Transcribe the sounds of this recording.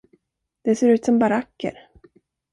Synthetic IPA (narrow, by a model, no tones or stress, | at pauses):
d̪̥ɛseːɾʉ̟ːt̪sɔmbaɾakːə̰ɾ